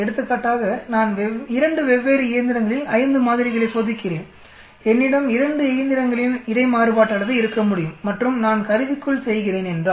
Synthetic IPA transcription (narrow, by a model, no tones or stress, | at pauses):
ɛɽɯt̪ːɯkːaːʈːaːɣɐnaːnʋɪɾɐɳɖɯʋɛʋːeːɾɯɪjɐnd̪ɪɾɐŋɡɐɭɪlɐjɪnd̪ɯmaːðɪɾɪɣɐɭɐɪsoːðɪkːɪreːn | ɛnːɪɽɐmɪɾɐɳɖɯɪjɐnd̪ɪɾɐŋɡɐɭɪnɪɾɐɪmaːɾɯpaːʈːɐːɭɐðɯɪɾɯkːɐmʊɽɪjɯmːɐʈrɯmnaːnkɐɾɯʋɪkːɯɭsɛjɣɪreːnɛndraː